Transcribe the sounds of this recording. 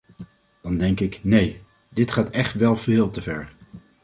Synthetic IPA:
d̥ɑndɛŋkɪknej | dɪtχaːtɛχtʋɛlˠv̥ɪːlˠtəvɛɹ

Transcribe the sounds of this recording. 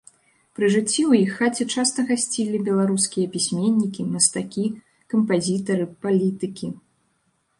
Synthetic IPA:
pɾɨʐɨt͡sʲːiwjixːat͡sʲɛt͡ʂast̪ɐɣasʲt͡sʲilʲibʲɛlˠaɾuskʲijɐpʲisʲmʲenʲːikʲimɐst̪akʲi | kɐmpazʲit̪ɐɾɨpalʲit̪ɨkʲi

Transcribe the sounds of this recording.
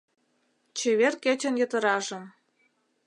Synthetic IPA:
t͡ɕeβerket͡ɕə̆njə̆t̪ə̆ɾɑʒə̆m

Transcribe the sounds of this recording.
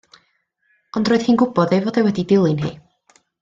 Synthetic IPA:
ɔndroːɨð̥hiːnɡʊbɔðejvoːdewɛdidɪlˠɨnɦḭː

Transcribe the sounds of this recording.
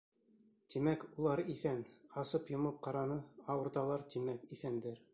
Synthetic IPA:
t̪imækulˠɑɾiθænɑsɤpjŏmɤp̚qɑɾɑnɤɑwɤ̆ɾt̪ɑlˠɑɾt̪imækiθænd̪ɘɾ

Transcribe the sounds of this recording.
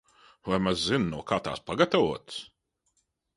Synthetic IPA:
vajmazzinnuɔkaːt̪a̰ːspaɡat̪avuɔt̪s

